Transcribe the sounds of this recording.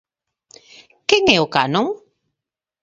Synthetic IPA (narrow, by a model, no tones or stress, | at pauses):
keŋɛokanoŋ